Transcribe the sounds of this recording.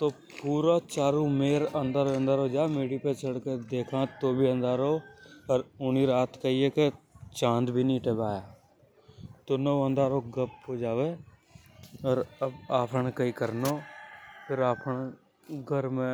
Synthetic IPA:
t̪oː | puːɾat͡ʃaːɾũmeːɾə̃nd̪əɾə̃nd̪əɾɦod͡ʒaːmeːɽipet͡ʃəɽked̪eːkʰãt̪oːbʱiə̃nd̪aɾɦoːɔɾʊniɾaːt̪ʰkaieket͡ʃãːnd̪bʱiniːʈebaːjaː | t̪oːnəʋə̃nd̪aːɾoːɡəp̚ɦod͡ʒaːʋe | ɔːɾəbaːpʰəɳkəikəɾnoːpʰɪɾaːpʰəɳ | ɡʱəɾmẽ

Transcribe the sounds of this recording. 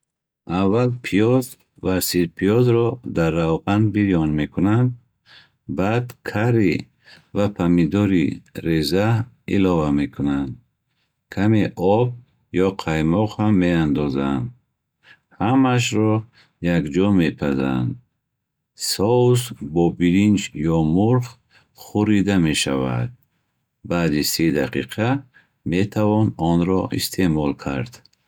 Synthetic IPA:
ʔavːalpʰijɔz | vasid̪pʰijɔzɾɔd̪arːavʁanbiɾiɔnmekʰunand̪̚ | bad̪kʰaɾi | vapʰamid̪ɔɾiɾeza | ḭlɔvame̞kʰunand̪ | kʰameʔɔb̚ | jɔqʰajmɔʁhamːe̞and̪ɔza̰nd̪ | hamaʃ̬ɾɔ | jakd͡ʒɔme̞pʰaza̰nd̪ | sɔusbɔbiɾind͡ʒjɔmuɾχ | χuɾid̪ameʃava̰d̪̥̚ | baːd̪ised̪aqʰiqʰa | met̪ʰavɔnɔnɾɔḭst̪ʰemɔlkʰaɾd̪̥

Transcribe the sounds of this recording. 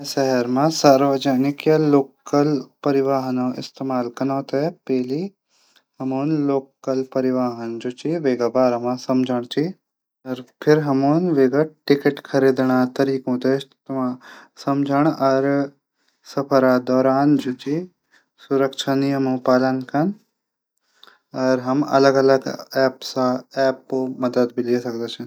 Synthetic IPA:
sɐɦɐɾmãsaːɾʋɐd͡ʒɐnikjɐloːkːɐlpɐɾɪʋaːɦɐnoʔɪ̰st̪eːmaːlkɐnaːt̪epɛːli | ɦɐmuːnloːkːɐlpɐɾiʋaːɦɐnd͡ʒut͡ʃiʋeːɡɐbaːɾɐmãsɐmd͡ʒʱɐɽ̃t͡ʃi | ɐɾpʰɪɾɦɐmuːnʋeːɡɐʈɪkeʈkʰɐɾiːd̪ɳ̃aːt̪ɐɾiːkũːt̪est̪mãsɐmd͡ʒʱəɳ̃ɐɾ | sɐpʰəɾad̪ɔːɾaːnd͡ʒut͡ʃi | suɾəkʃʰanijəmũpaːlənkɐn | ɐɾɦɐmɐ̰ləɡɐləɡɛːpsaɛːpːomɐd̪əd̪bʱiliːsɐkd̪at͡ʃʰĩ

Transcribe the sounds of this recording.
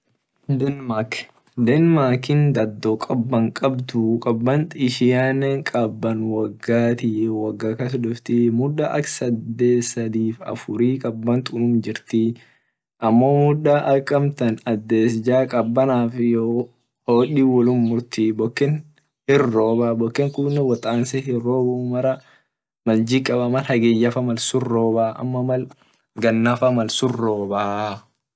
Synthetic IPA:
d̪ɛnmaːk | d̪ɛnmaːkɪnd̪ɐd̪ːɔkʼɐbːɐŋkʼɐbt̪ʊkʼɐbːɐnt̪ɪʃɪjaːnɛŋkʼɐbːɐnwɐɡːaːt̪ɪwɐɡːaːkɐsʊd̪ʊft̪ɪmʊᶑːɐʔɐksɐd̪ːeːsɐd̪iːfɐ̰fʊɾiːkʼɐbːɐnt̪ʊnuːnd͡ʒɪɾt̪ɪ | ʔɐmːoːmʊd̪aʔɐkʼːɐmt̪ɐnɐd̪ːe̞ːsɪd͡ʒaːkʼɐbːɐnaːfjo | hoːᶑiːwɔlʊnmʊɾt̪ɪbɔkːɪn | hɪrːoːbaːbɔkːɪŋkʊnːɛwɔt̪ʼaːnsɛhɪroːbumɐɾɐ | mɐld͡ʒɪkʼːɐbɐmɐlhɐɡɛjːɐfɐmɐlsʊrːoːbaːʔɐ̰mːɐmɐl | ɡɐnːɐfɐmɐlsʊrːoːbaː

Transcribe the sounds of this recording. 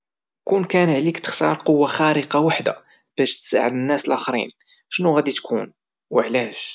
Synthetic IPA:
kunkænʕlikt̪ə̥xt̪ɑɾˤqowːaxæɾəqɑwaħd̪a̰ | b̥æʃt̪sa̰ʕəd̪ənːæsəlʔæxɾḭn | ʃnuɣæd̪it̪kʰun | wəʕlæʃ

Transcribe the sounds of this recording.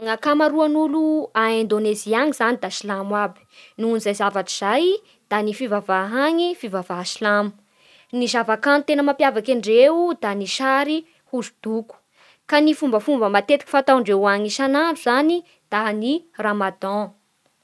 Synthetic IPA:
ŋakamaɾuanuluaẽnd̪oneziaŋiz̥anid̪aʃilamwabi̥nunizajzavaʈ͡ʂiz̥aj | d̪̥anifivavaɦaŋifivavaʃilamu̥ | nizavakanit̪enəmapjavakiɳɖ͡ʐeud̪aniʃaɾi | huzud̪̥uku̥ | kanifumbəfumbəmat̪et̪iki̥fat̪aɳɖ͡ʐeaɲiʃanauzani | d̪̥aniramad̪ɔ̃

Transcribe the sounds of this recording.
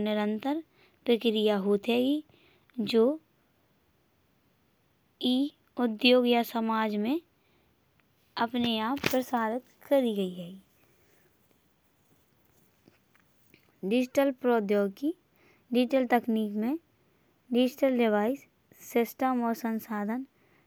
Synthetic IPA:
nɪɾə̃nt̪əɾ | pɾəkɾijaɦoːt̪ɦɛːɡi | d͡ʒoː | iː | ʊd̪joːɡjasəmaːd͡ʒmẽ | ɐpneaːpːɾəsaːɾɪt̪kəɾiɡəiɦɛːɡi | ɖɪd͡ʒɪʈəlpɾoːd̪joːɡ̚ki | ɖid͡ʒɪʈəlt̪əkniːkmẽ | ɖɪd͡ʒɪʈəlɖɪʋaːɪsː | ɪsʈəmɔːɾsə̃nsaːd̪ʱən

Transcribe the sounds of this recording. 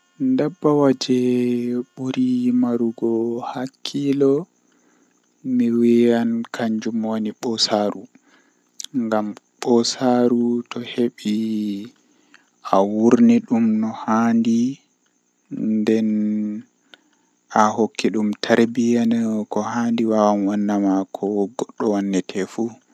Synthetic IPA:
ndabːawad͡ʒɛɓuɾimaɾuɡɔhakʰːilɔ | miwijankʰaɲd͡ʒumoniɓɔsaɾu | ŋɡam | ɓɔsaɾutɔheɓi | awuɾniɗumnɔhaːndi | ndɛn | ahokːiɗumtʰaɾbijankɔhandiwawanwanːamakʰɔɡɔɗːɔwanːɛtʰɛfu

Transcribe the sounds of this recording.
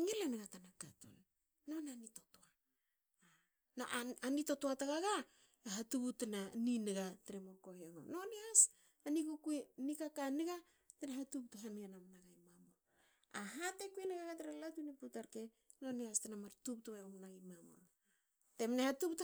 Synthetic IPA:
ŋileneɡatanakatṵnː | onanitotoa | no̰ʔaanito̞toataɡaɡa | aɦatubutenanineɡateɾemoko̞heoŋo̰nonias | anikukuinikakaniɡa | tenaɦatup̚toɦanɡenamnaɡajmamo | aɦatekueneɡaɡateɾelatuniputaɾke̞ | no̞niastenamaɾtup̚toβeomnaɡimamo̰ | te̞mnehatupt

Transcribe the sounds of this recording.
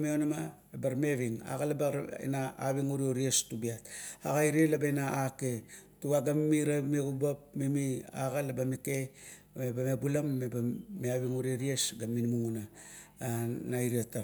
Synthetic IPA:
meonama | ebaɾmeβiŋa̰ɣalabaḛnaaβiŋuɾioɾiestubiata̰ɡaiɾielabaenaaketuɡaɡammiɾameɡubapmimia̰ɣalabamike | mebamebulamːebameaβiŋuɾieɾiesɡamːinimuŋuna | naiɾieta

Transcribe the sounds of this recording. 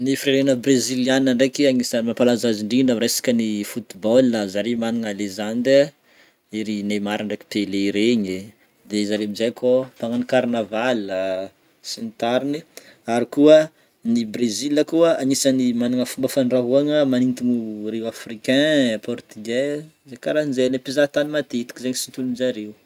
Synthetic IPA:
nifiɾeɾenəbrezilianaɳɖ͡ʐekiaŋisəmapalazaziɳɖ͡ʐiɳɖ͡ʐəɾesḁkənifut̪ibolːəzaɾemaniŋalezand̪e | iɾinemaɾaɳɖ͡ʐeki̥p̪eleiɾeɲi | d̪ezaɾemizajkʰot̪aŋanikaɾnavalə | sinit̪aɾini | aɾikuə | nibreziləkuəanisanimaniŋəfumbəfanraɦuaŋəmanint̪iŋurewafrikɛ̃pʰɔrt̪iɡɛ | zejkaɾainzelepizat̪animat̪eit̪i̥kizeɲisint̪ulunizaɾew

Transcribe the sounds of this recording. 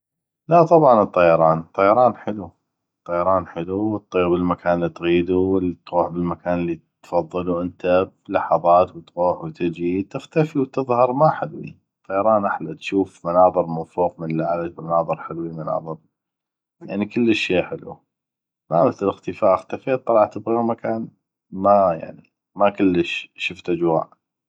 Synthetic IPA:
laʔt̪ˤɑbʕɑnɨt̪ˤːɑjɑɾˤɑːnt̪ˤːɑjɑɾˤɑːnħɪlu | t̪ˤːɑjɑɾˤɑːnħɪluwət̪ˤːiːbɪlmakʰaːnəlːit̪ɣiːd̪uwɪlit̪ɾuːħbɪlmakaːnlːit̪fɑðˤːɨluʔɪnt̪ablɑħɑðˤɑːt̪wt̪ɣuːħwt̪ɪd͡ʒit̪ɪxt̪afiwt̪ɨðˤhɑɾˤmaħɪlwḭ | t̪ʰˤːɑjɑɾˤɑːnʔaħlat̪ʃuːfmanɑːðˤɨɾmafuːqmənlːaʕalabmanɑːðˤɨɾħɪlwimanɑ̰ːðˤɨɾ | ja̰ʕnikəlːəʃːeːħɪlṵ | maməθləlɪxt̪əfaːʔɪxt̪afeːt̪ˤːɑlɑʕt̪ɪbɣiumakʰaːn | maja̰ʕni | makʊlːəʃʃʊft̪ʔad͡ʒwa̰ːʔ

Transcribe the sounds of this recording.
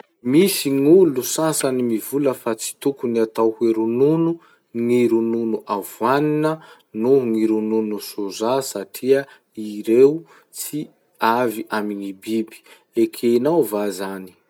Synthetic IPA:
misiŋulusasanimivuləfat͡si̥t̪ukuniat̪awheɾununu | ŋiɾununuʔavwaninə | nuŋiɾununusuzasaʈ͡ʂʰiə | iɾew | t͡si | aviʔamiŋibibi̥ | ekʰeinawvazani̥

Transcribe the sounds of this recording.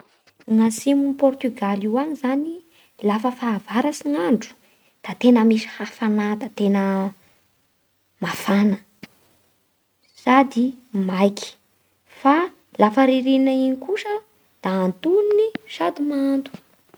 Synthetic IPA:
ŋasimunipɔrt̪yɡaliwaɲizani | lafəfaːvaɾasiŋaɳɖ͡ʐu̥ | d̪̥at̪enəmisi̥hafanad̪at̪enə | mafanə | sad̪imajki̥ | fa | lafəɾiɾinaiɲikuʂə | d̪̥aːnt̪uniniʃad̪umant̪u̥

